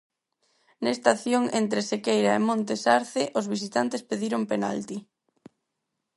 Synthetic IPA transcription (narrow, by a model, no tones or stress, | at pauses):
nest̪aθjoŋent̪ɾesekejɾaemõnt̪esaɾθɪʔozβisit̪ant̪espeðiɾompena̰lt̪i